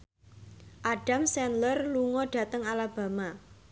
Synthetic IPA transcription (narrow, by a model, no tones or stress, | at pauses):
ʔaɖ̥a̤msɛnlərluŋɔɖ̥a̤t̪əŋalab̥a̤ma